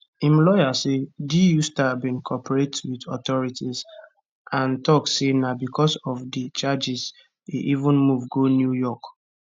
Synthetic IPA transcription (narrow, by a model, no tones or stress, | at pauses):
ĩmlɔjasedijustaabĩnkʰɔpəɹetwidɔtɔɹitiz | ãntɔksenabikʰɔsɔvdit͡ʃad͡ʒɪz | ḛʔivʊ̃nmuvɡonjujɔk